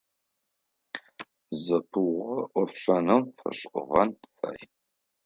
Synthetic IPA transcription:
zɐpʰɨwʁɐʔʷɔfɕʷɐnɐmfɐ̰ɕʼqʼʊʁɐnfɐ̰j

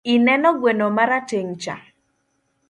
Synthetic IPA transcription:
inɛnɔɡwenomaɾateŋt͡ʃa̰

